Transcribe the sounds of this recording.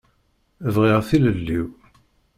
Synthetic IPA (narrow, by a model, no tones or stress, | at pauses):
əvʁiʁθiləlːiw